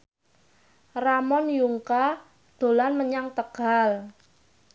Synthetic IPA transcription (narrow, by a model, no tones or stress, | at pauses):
ramɔnjuŋka | d̪̥o̤lanməɲaŋt̪əɡ̥al